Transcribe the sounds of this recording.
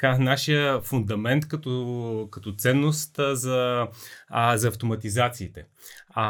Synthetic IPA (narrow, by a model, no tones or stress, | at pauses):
kanaʃijəfund̪ɐmɛnt̪kɐt̪ɔkɐt̪ɔt̪sɛnːost̪zɐ | zɐːft̪omɐt̪izat̪siːt̪ɛ